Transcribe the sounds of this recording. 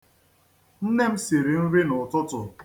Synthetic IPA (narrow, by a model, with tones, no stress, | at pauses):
n̩˦ne˦m̩˦si˨ɾi˨n̩˦ɾi˦nʊ˨tʊ˦tʊ˨